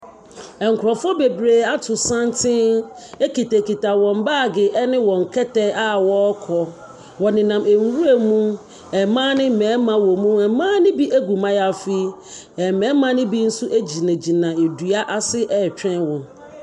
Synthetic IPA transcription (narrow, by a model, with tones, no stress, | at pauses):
ɛ˨ŋ̩˨kʰɾɔ˨fɔ˦be˨bɾeː˨a˦tʰʊ˨sã˦n˦tʰɪ̃˦ | e˦ki˨te˨ki˨ta˨wɔ̃˨m˦baː˦˨ɡɪ˨ʔɛ˦nɪ̃˦wɔ̃˨ŋ̩˨kʰɛ˦tɛ˦a˦wɔ˦kʰɔ˨ | wɔ˨nɪ̃˨nã˨mʔe˨ŋ˦wu˦e˨mũ˦ | ɛ˨mãː˦nɪ̃˦m̩˨mɛ̃ː˨˦mã˦wɔ˨mũ˦ɛ˨mãː˦nɪ̃˦bi˦ʔæ˦ɡu˨mã˦ja˨fi˦ | ɛ˨mɛ̃ː˨˦mã˦nɪ̃˦bi˦n̩˦su˦ʔe˦d͡ʑi˨næ̃˨d͡ʑi˨nã˨e˨du˨a˦ʔa˦˨sɪ˦ʔɛ˨t͡ɕᶣɛ̃˦nwɔ̃˨n